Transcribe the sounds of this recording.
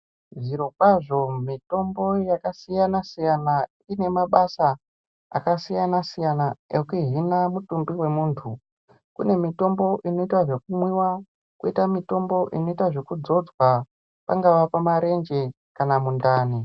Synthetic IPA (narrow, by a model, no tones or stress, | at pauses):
ʐiɾo̞kwaʐo̞mito̞mbo̞jakasijanasijana | ine̞maɓasa | a̰kasijanasijanaekuɦinamutumbiwe̞muːntʰu | kune̞mito̞mbo̞ʔino̞itwaʐe̞kumwiwa | kuitamito̞mbo̞ʔino̞itaʐe̞kud͡zo̞d͡zwa | paŋɡaʋapamaɾe̞nd͡ʒe̞ | kanamundaːni